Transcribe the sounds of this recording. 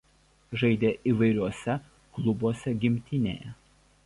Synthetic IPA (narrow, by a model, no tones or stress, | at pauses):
ʒɐɪd̪ʲeːʔiːʋɐɪɾʲuɔsʲɛ | klˠʊbuɔsʲɛɡʲɪmʲt̪ʲɪnʲḛːjɛ